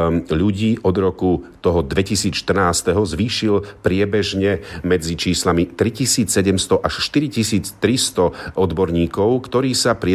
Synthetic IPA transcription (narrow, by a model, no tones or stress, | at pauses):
ʎuɟiːʔɔd̪ɾɔkut̪ɔɦɔd̪ʋɛcisiːt͡sʃt̪r̩naːst̪ɛɦɔzʋiːʃilpɾɪɛbɛʒɲɛmɛd͡zit͡ʃiːslamit̪ɾicisiːt͡ssɛɟɛmst̪ɔʔaʃʃt̪iɾicisiːt͡st̪ɾist̪ɔɔd̪bɔɾɲiːkɔʊkt̪ɔɾiːsapɾɪɛ